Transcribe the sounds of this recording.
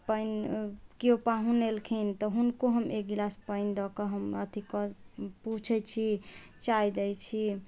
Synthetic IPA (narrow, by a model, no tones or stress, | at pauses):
pəjnkiopaɦũnelkʰint̪ɔɦunkoɦəmeɡilaspəjnd̪ɔkɔɦəmət̪ʰikɔput͡ʃʰɛt͡ʃʰi | t͡ʃajd̪ɛjt͡ʃʰi